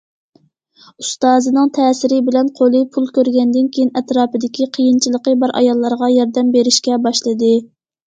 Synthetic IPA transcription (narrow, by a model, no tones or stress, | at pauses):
ust̪ɑːzɨnɨŋt̪ʰɛːsɪɾɪbɪlɛnqʰolˠɨpʰulˠkʲʰøɾɡʲɛnd̪ɪnkʲʰejinɛt̪ɾɑːpɨd̪ɪkʲiqʰəjint͡ʃʰilˠəqəbɑɾʔɑ̰jɑlˠːɑɾʁɑjɑɾd̪ɛmbeɾɪʃkʲɛbɑʃlˠɨd̪ɨ